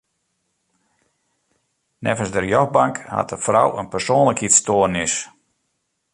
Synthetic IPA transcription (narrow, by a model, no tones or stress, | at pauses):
nɛvənsdərjɔxbaŋkha̰təfrawə̰npərsoːnləkhitstoənɪs